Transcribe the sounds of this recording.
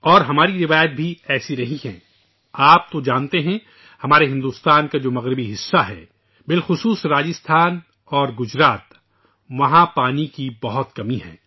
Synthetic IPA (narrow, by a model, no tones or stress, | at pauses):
ɔːɾɦɐmaːɾiɾɪʋaːjət̪̚bʱiɛːsiɾɐɦiɦɛ̰̃ː | aːp̚t̪od͡ʒãːnt̪eɦɛ̃ | hɐmaːɾeɦɪ̃nd̪uːst̪aːnkad͡ʒoːmɐɣɾɪbiɦɪsːaɦɛ̰ | bɪlxʊsuːsɾaːd͡ʒɪst̪ʰaːn | ɔːɾɡʊd͡ʒɾaːt̪ | ʋɐɦãpaːnikibɐɦʊt̪kɐmiɦɛ̰̃ː